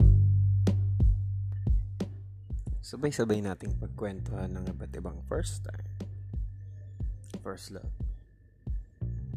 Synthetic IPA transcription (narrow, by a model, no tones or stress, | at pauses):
sɐbajsɐbajnaːt̪ɪŋpɐɡ̚kwɛnt̪ohanːɐŋɪbat̪ɪbaŋfɛɹst̪a̰jm | fɛɹslo̰p